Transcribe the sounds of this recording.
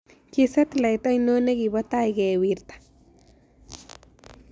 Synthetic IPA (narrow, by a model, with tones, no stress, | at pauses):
ki˦˧se˦t̪la˨jt̪a˦jno˦ne˦ɡi˨ba˦t̪a˦jɡe˨wi˧ɾt̪ḁ˨